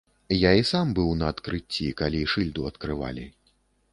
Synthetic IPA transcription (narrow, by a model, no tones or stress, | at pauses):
jaisambɨwnɐːt̪kɾɨt͡sʲːikalʲiʂɨlʲd̪uɐt̪kɾɨva̰lʲḭ